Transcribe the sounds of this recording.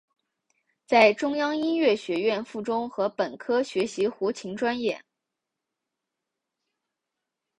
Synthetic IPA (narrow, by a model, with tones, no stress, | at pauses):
t͡sa˥˩ɪʈ͡ʂʊ˥ŋjɑ˥ŋi˥nɥɛ˥˩ɕɥɛ˧˥ɥɛ˥˧nfu˥˩ʈ͡ʂʊ˥ŋxɤ˧˥pə˨˩nkʰɤ˥ɕɥɛ˧˥ɕi˧˥xu˧˥t͡ɕʰi˧˥ŋʈ͡ʂwa˥njɛ˥˩